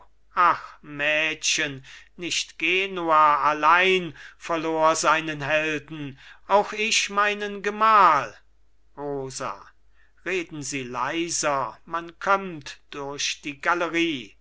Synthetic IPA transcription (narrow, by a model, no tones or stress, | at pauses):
ʔaxmɛːɕənnɪʃtɡ̥eːnuaːalaɪnfɛɐloːɐzaɪnənɦɛldn̩ʔaʊxɪʃmaɪnənɡəmaːl | ʁoːza̰ | ʁeːdn̩ziːla̰ɪzɐmankʰɔmtd̥ʊɐʃd̥iːɡaləʁiː